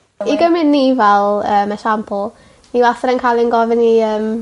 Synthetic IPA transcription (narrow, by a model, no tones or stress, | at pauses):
iɡəmɪnːivɛlˠəːmaʃampʰʊlˠ | niwaθəɾənkʰajlˠinɡɔvɪniəːm